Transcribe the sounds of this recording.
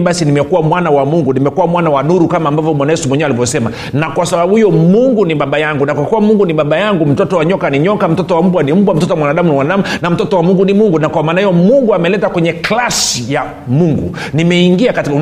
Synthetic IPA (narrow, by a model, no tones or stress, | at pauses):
ɓasinimɛkuwamwanawamuŋɡunimɛkuwamwanawanuɾukamaːmbavɔmwanajɛsumwɛɲɛwalivɔsɛma | nakwasaɓaɓuhijɔmuŋɡuniɓaɓajaŋɡunakwakuwamuŋɡuniɓaɓajaŋɡum̩tɔtɔwaɲɔkaniɲɔkam̩tɔtɔwam̩ɓwanim̩ɓwam̩tɔtɔwamwanaɗamuniwanaɗamunam̩tɔtɔwamuŋɡunimuŋɡunakwamaːnahijɔmuŋɡuamɛlɛtakwɛɲɛklasija | muŋɡṵ | nimɛiŋɡiakatiku